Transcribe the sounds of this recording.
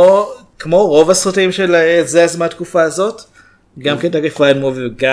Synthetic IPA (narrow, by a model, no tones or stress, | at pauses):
o | kmo̞ʁo̞vasʁotimʃelezeazmatkufaːzo̞t | ɡamketaɡifʁainmoviɡa